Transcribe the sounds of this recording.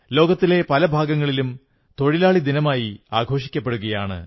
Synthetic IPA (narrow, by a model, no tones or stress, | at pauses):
lo̞ːɡɐt̪ːile̞pɐlɐbʱaːɡɐŋːɐɭilum | t̪o̞ɻilaːɭid̪inɐmaːjiaːɡʱo̞ːʂikʲːɐpːeɽuɣɐjaːɳɨ̰